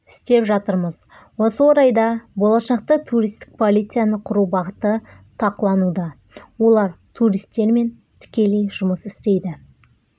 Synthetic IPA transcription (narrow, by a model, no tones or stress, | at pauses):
ɪst̪e̞pʒɑt̪əɾməz | wo̞səwoɾɑjd̪ɑbo̞lˠɑʃɑq̚t̪ət̪ʰuɾijst̪ɪ̥k̚pʰo̞lʲˠijt̪sɨjanəqʰʊɾubɑʁət̪ət̪ʰɑqəlˠɑnud̪ɑ | wo̞lˠɑɾt̪ʰuɾijst̪ːe̞ɾme̞n | t̪ʰɪ̥kʲe̞lejʒʊməsɪst̪e̞jd̪ɪ